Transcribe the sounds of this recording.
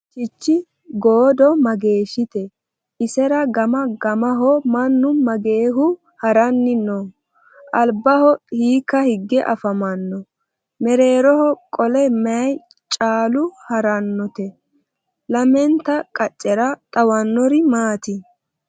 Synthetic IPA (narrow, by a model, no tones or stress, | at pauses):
t͡ʃɪt͡ʃːɪ | ɡoːd̪ɔmɐɡe̞ːʃɪt̪ɛ | ʔɪsɛɾɐɡɐmɐɡɐmɐɦɔmɐnːʊmɐɡe̞ːɦʊ | hɐɾɐnːɪnɔ | ʔɐlbɐhɔhiːkːɐhɪɡːɛʔɐ̰fɐmɐnːɔ | mɛɾe̞ːɾɔhɔkʼɔlɛmɛɐj | t͡ʃʼaːlʊhɐɾɐnːɔt̪ɛ | lɐmɛnt̪ɐkʼɐt͡ʃʼːɛɾɐt̪ʼɐwɐnːɔɾɪmaːt̪ɪ